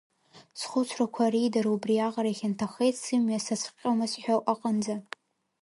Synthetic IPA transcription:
sχʷʊt͡sʷʰrakʷʰaridaɾubriaʁaɾaχʲantʰaxejtʰsɨmɥasasʰqʲʼamasħᶣaʔʼaqʼand͡za

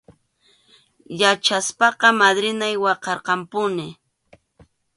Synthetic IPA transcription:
jat͡ʃaspɑqɑmad̪ɾɪnajwɑqɑɾqɑmpʊnɪ

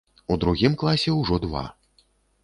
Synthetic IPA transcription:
ud̪ɾuɣʲimklˠasʲɛwʐɔd̪va̰

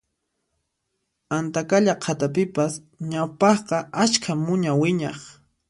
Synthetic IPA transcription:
ant̪akaʎaqʰat̪apɪpas | ɲawpɑχqɑʔat͡ʃkʰamʊɲawɪɲɑχ

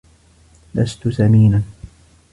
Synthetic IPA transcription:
la̰st̪ʊsamiːna

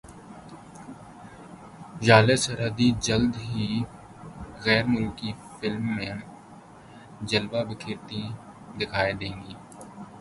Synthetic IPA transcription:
ʒaːlesəɾəd̪id͡ʒəld̪ɦiː | ɣɛːɾmʊlki | fɪlmːẽː | d͡ʒəlʋabɪkʰɪɾt̪ĩ | d̪ɪkʰaːed̪ẽːŋɡiː

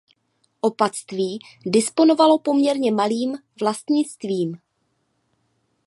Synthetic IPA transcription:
ʔo̞pat͡st̪viː | dɪspo̞no̞valo̞po̞mɲɛɾɲɛmaliːm | vlast̪ɲɪt͡st̪viːm

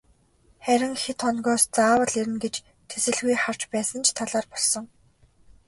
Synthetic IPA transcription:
χæɾʲɪ̆ŋxet̪ʰχɔnɣɔːst͡saːwə̆ɮiɾɘ̆nɡet͡ɕ | t̪ʰesɘ̆ɮɣujχar̥t͡ɕpæːsə̆nt͡ɕʰt̪ʰaɮaːrpɔɮsɞ̆ŋ

